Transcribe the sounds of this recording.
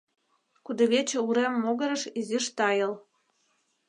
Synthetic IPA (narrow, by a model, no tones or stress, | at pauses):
kud̪ɤ̆βet͡ɕĕuɾemːoɣə̆ɾə̆ʃiziʃt̪ɑjɤ̆l